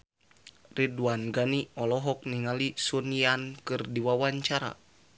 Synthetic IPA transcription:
riduanɡaniɔlɔɦɔk̚niŋalisuniankɨrdiwawaɲt͡ʃaɾa̰

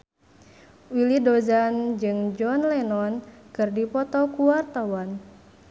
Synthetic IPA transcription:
wilidɔzand͡ʒɨŋd͡ʒɔnlɛnɔnkɨrdipɔt̪ɔkuwart̪awan

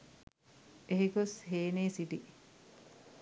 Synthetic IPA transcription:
eɦikosɦeːneːsiʈi

